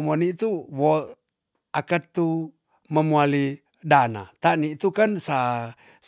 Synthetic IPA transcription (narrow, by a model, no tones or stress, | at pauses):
mɔnit̪uwo | akat̪ːu | məmuali | dana̰t̪anit̪ukansa